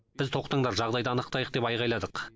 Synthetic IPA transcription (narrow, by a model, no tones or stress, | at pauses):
b̥ɪzt̪ʰo̞qt̪əɴd̪ɑɾʒɑʁd̪ɑjd̪ɑːnəqt̪ɑjəq̚d̪e̞pɑjʁɑjlˠɑd̪əq